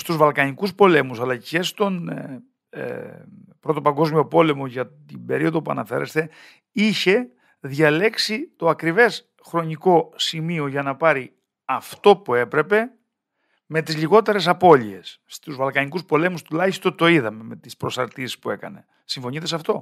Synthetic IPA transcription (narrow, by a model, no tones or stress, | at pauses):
st̪uzvɐlkɐɲikuspo̞le̞musɐlɐce̞st̪o̞n̰ | pɾo̞t̪opɐŋɡo̞zmio̞po̞le̞mo̞ʝɐt̪imbe̞ɾio̞ðo̞puɐ̰nɐfe̞ɾe̞̰st̪e̞ | içe̞ | ðʝɐle̞ksit̪o̞ɐkɾive̞s | xɾo̞ɲiko̞simio̞ʝɐnɐpɐɾi | ɐft̪o̞pue̞pɾe̞pe̞ | me̞t̪izʎiɣo̞t̪e̞ɾe̞s̬ɐpo̞ʎie̞̰sːt̪uzvɐlkɐɲikuspo̞le̞must̪ulɐçist̪o̞nt̪o̞iðɐme̞me̞t̪ispɾo̞sɐɾt̪isi̥spue̞kɐ̰ne̞ | siɱfo̞ɲit̪e̞sɐft̪o̞